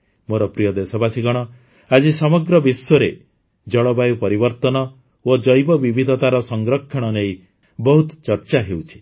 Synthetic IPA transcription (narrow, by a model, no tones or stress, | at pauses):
moɾɔpɾijɔd̪esɔbasiɡɔɽ̃ɔ | ad͡ʒisɔmɔɡɾɔbiswɔɾe | d͡ʒɔɭɔbajupɔɾibɔɾt̪ɔnɔ | od͡ʒɔjbɔbibʱid̪ʱɔt̪aɾɔsɔŋɡɾɔkʰːɔɽ̃ɔnej | bɔɦut̪t͡ʃɔɾt͡ʃaɦewt͡ʃʰi̥